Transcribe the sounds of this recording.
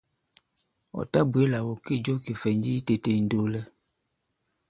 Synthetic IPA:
ɔ̰˨ta˦bu˨e˦la˨wo˨ke˦˨d͡ʒo˦ke˨fɛ˨n˦d͡ʒi˦i˦te˨te˨n̩˨do˨lɛ˦

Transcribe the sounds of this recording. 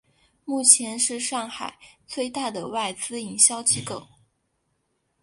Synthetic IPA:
mu˥˩t͡ɕʰjɛ˧˥nʂɻ̩˥˧ʂɑ˥˩ŋxa˨˩˦ɪt͡swe˥˧ɪt̪a˥˩d̪ə˩wa˥˩ɪt͡sɹ̩˥i˨˩ŋɕjɑ˥ʊt͡ɕʰi˥kɤ˨˩˦ʊ

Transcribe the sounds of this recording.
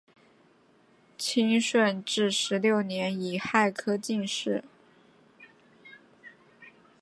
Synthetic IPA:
t͡ɕʰi˥ŋʂwə˥˧nʈ͡ʂɻ̩˥˩ʂɻ̩˧˥ljo˥˩ʊnjɛ˧˥ni˨˩xa˥˩ɪkʰɤ˥t͡ɕi˥˧ŋʂɻ̩˥˩

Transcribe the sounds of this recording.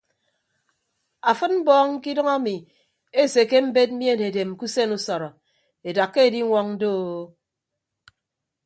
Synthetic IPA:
a˨fɨ˦t̚m̩˦bɔː˦ŋŋ̩˦ki˦dʌ˦ŋa˦mi˨ | e˦˨se˨ke˦m̩˦be˦t̬̚m̩˦mi˦e˦˨ne˨de˨m˨ku˦se˦nu˦sɔ˨ɾɔ˨ | e˨da˨kːe˦e˨di˦ŋʷɔ˦ŋn̩˦do˦˨˦

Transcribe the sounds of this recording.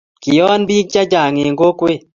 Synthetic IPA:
kɪ˨jɔ˦nbi˦k̚t͡ʃa˦d͡ʒa˨ŋe˨ŋɡo˦kwe˦˨

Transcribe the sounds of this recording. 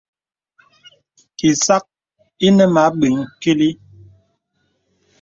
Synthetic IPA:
ki˨sa˦k̚ | i˦nə˦ma˨˦ɓi˨ŋki˦li˦

